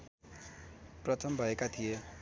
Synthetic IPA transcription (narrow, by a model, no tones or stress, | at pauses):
prʌt̪ʰʌmbʱʌekat̪ʰije